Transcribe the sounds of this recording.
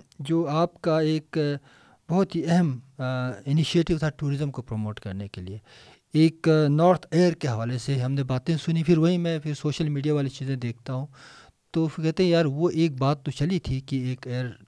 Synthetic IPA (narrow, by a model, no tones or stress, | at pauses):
d͡ʒoːaːpkaeːk | bɐɦʊt̪ɦiɛɦɛm | ɪnɪʃieːʈɪʋt̪ʰaʈuːɾɪzəmkopɾomoːʈkɐ̰ɾnekelie | eːknɔːɾt̪ʰeːəɾkeɦɐʋaːleseɦɐmnebaːt̪ẽsʊnipʰɪɾʋɐɦimɛ̃pʰɪɾsoːʃəlmiːɖijaʋaːlit͡ʃiːzẽd̪eːk̚ʰt̪aɦũ | t̪okɛɦt̪eɦɛ̃jaːɾʋoʔeːk̚baːt̪ːot͡ʃɐlit̪ʰikieːkeːəɾ